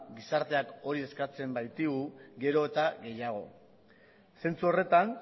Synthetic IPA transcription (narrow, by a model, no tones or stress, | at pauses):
ɡisaɾt̪e̞ako̞ɾie̞skat͡se̞mbajt̪iɣuɡe̞ɾo̞et̪aɣe̞jaɣ̞o̞̰ | se̞nt͡suo̞re̞t̪an